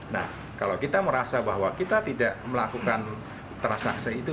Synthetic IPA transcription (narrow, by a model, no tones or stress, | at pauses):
na̰h | kalakit̪aməɾasabaɦwakit̪at̪idaʔməlakukan | t̪ɾansa̰ksiit̪u